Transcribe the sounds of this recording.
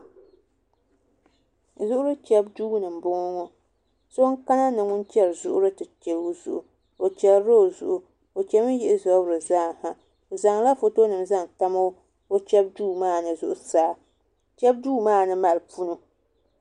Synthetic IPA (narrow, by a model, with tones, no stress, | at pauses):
zʊ˦ʔʊ˦ɾɨ˦t͡ʃɛ˦b̚duː˦ɡnɨ˨m̩˨bʊ˦ŋɔ˦ŋɔ˦ | so˦ŋka˦na˦nɨ˨ŋʊ˦nt͡ʃɛ˦lzʊ̰˦ʔʊ˦ɾɨ˦tɨ˨t͡ʃɛ˨lo˦zʊ̰˨ʔʊ̰˨ | o˨t͡ʃɛ˨lɾo˦˨zʊ̰˨ʔʊ˨ | o˨t͡ʃɛ˦mɨ˦jɪ˦ʔɪ˦zɔ˨˦bɾɨ˨zaː˦˨ha˨ | za˨ŋla˦fo˨to˦nɨ˨mza˦ŋta˦mo˦ | o˦t͡ʃɛ˦b̚duː˦maː˦˨nɨ˨zʊ˦ʔʊ˨saː˦ | t͡ʃɛ˦b̚duː˦maː˦˨nɨ˦ma˨lpu˦nu˦